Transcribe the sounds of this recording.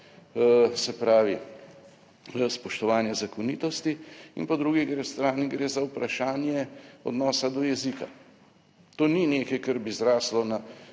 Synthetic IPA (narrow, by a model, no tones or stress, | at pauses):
sɛpɾaːʋi | spɔʃt̪ɔʋaːnjɛzakɔniːt̪ɔst̪iḭnpɔd̪ɾuɡiɡɾest̪ɾaːniɡɾeːzawpɾaʃaːnjɛɔ̰d̪nɔːsad̪ɔjɛzika̰ | t̪oːninekɐjkɐɾbizɾaːslɔna